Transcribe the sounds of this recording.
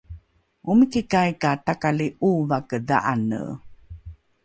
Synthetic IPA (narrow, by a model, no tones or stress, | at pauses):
umikikajkatakaliʔuvakəda̰ʔanə̰